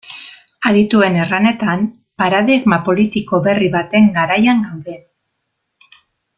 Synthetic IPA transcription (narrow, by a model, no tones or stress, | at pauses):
aðit̪ue̞ne̞rane̞t̪am | paɾaðiɣmapo̞lit̪iko̞βe̞riβat̪e̞ŋɡaɾajaŋɡawðe̞